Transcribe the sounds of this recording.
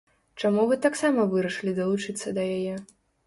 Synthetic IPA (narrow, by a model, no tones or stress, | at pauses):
t͡ʂamuvɨt̪aksamɐvɨɾɐʂlʲid̪ɐlˠut͡ʂɨt̪sːɐd̪ɐjajɛ